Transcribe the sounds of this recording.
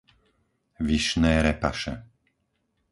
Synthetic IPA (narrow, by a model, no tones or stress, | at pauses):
ʋiʃnɛːɾɛpa̰ʃɛ̰